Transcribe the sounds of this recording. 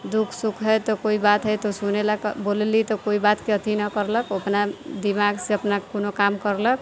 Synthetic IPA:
d̪ukʰsukʰɦəjt̪ɔkoibat̪ɦəjt̪osunelakbolelit̪ɔkoibat̪keət̪ʰinʌkəɾləkəpnad̪imaɡseəpnakkonokamkəɾlək

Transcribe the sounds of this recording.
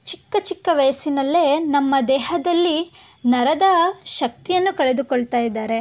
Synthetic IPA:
t͡ʃikːɐt͡ʃikːɐʋɐjɐsinɐlːe̞nɐmːɐd̪ɛːɦɐd̪ɐlːi | nɐɾɐd̪ɐʃɐk̚t̪ijɐnːukɐɭe̞d̪ukɔɭt̪aːjid̪ːaːɾe̞

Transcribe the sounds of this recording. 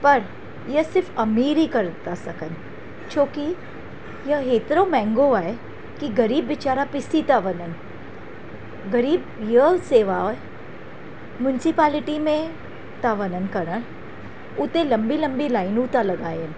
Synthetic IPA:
pɐɾ | jɐsɪɾfɐmiːɾikɐɾt̪asɐkən | t͡ʃoːki | jɐɦeːt̪ɾomɛ̃ːŋɡoaːe | kiɡɐɾiːbʋɪt͡ʃaːɾapɪsit̪aʋənən | ɡɐɾiːbjəseːʋa | mjʊnsipaːlɪʈimẽ | t̪aʋənənkɐɾəɾ | ʊt̪ẽlɐ̃mbilɐ̃mbilaːɪnut̪alɐɡaːen

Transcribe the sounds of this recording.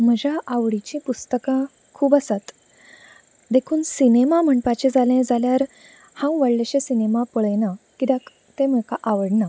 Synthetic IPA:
m̤əd͡ʑʱaʔaʋɽit͡ɕĩpust̪əkã | kʰuːbəsat̪ | d̪ekʰuːnsinemam̤əɳpat͡ɕed͡zalẽd͡zaljaɾ | hãwʋəɽleɕesinemapəɭəjnakit̪ak | t̪ẽm̤əkaʔaʋəɽna

